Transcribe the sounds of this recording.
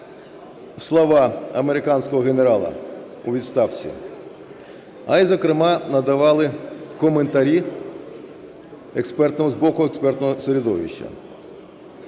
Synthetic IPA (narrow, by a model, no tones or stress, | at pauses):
slˠɔʋɑɐme̞ɾɪkɑnʲsʲkɔɦɔɣeneɾɑlˠɐ̰ | uʋʲid̪st̪ɑwt͡sʲḭ | ɐizɔkɾɪmɑnɐd̪ɐʋɑlˠɪkɔment̪ɐɾʲi | ekspɛrt̪nɔɦɔzbɔkʊekspɛrt̪nɔɦɔseɾʲid̪ɔʋʲḭʃt͡ʃːɐ̰